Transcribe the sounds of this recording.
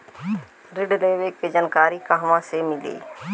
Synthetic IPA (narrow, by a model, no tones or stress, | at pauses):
ɾɪɖleːʋeːkeːd͡ʒənkaːɾiːkaɦʋãːseːmɪlḭː